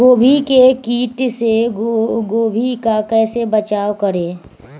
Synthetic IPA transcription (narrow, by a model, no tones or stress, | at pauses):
ɡoːbʱikekiːʈse | ɡoːbʱikakɛːsebət͡ʃaːwkəɾẽː